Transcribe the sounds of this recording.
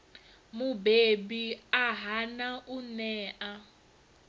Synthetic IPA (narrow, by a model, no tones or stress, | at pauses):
mubebiaɦanaʔunɛːʔa